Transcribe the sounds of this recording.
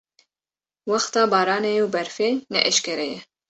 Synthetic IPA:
wɑxt̪ɑːbɑːɾɑːnejuwbɛɾfeːnɛ̰ʔɛʃkɛɾɛjɛ

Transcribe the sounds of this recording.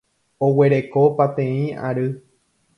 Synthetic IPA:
owe̞ɾe̞ko̞pat̪ẽĩa̰ɾɨ

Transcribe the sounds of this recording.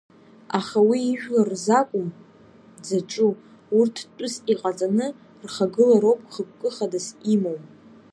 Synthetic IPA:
aχawiːʒᶣlarzakʷʼʊm | d͡zaʈ͡ʂʼu | urtʰtʷʼʊsiqʼat͡sʼanɨ | rχaɡɨlaɾowpʼχək̚ʷʼkʼɨχadasimowpʼ

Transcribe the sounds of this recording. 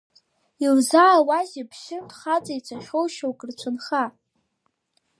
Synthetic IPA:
ilzaːwazibʰʃɪndχat͡sʼajt͡sʷʰaχʲowʃowkʼrt͡ɕʷʰɨnχa

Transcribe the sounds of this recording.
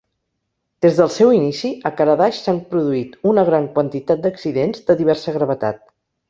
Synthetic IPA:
d̪̥ezðəlˠsɛwinisiəkaɾəðaʃsampɾuðuit̪unəɣɾaŋkwənt̪it̪at̪̚d̪əksiðenzd̪əðiβɛɾsəɣɾəβ̞ət̪a̰t̪̚

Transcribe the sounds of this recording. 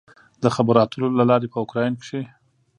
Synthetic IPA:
d̪əxabaɾɑt̪ʰəlolalɑɾepəʊkɾɑjnkʂe

